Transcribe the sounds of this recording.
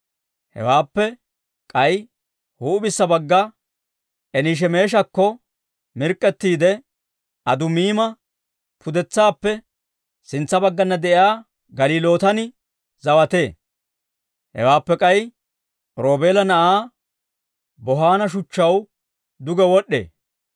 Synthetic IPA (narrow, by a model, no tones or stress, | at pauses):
hɛ̰waːpːɛ | kʼɐj | huːbɪsːɐbɐɡːɐ | ʔɛniʃ̬ɛmeːʃ̬ɐkːɔ | mɪɾkʼːɛt̪ːiːd̪ɛ | ʔɐd̪ʊmiːmɐ | pʰʊd̪ɛt͡sːaːpːɛ | sɪnt͡sːɐbɐɡːɐnːɐd̪ɛʔjaː | ɡɐliːlo̞ːt̪ɐnɪ | zɐwɐt̪e̞ː | hɛ̰waːpːɛkʼɐj | ɾo̞ːbe̞ːlɐnɐʔaː | bɔɦaːnɐʃ̬ʊt͡ʃːɐw | d̪ʊɡɛwɔɗːe̞̰ː